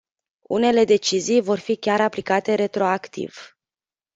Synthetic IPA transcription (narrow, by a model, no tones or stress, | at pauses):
ṵne̞le̞d̪e̞t͡ʃizijvo̞rfikʲaɾaplikat̪e̞ɾe̞t̪ɾo̞akt̪ḭv̥